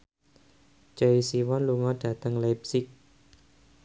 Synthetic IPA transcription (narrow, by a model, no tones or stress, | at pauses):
t͡ʃaisiwɔnluŋɔɖ̥ä̤t̪əŋlab̚sɪk̚